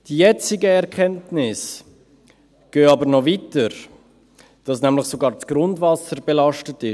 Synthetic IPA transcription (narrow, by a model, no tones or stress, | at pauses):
d̥ijɛt͡sɪɡəɛɾkʰɛntnɪs | ɡ̥øːɑbəɾnɔvitəɾ | d̥ɑsnæmlɪχsoɡɑːɾt͡sɡ̥ɾʊndvɑsəɾbelɑʃtətɪ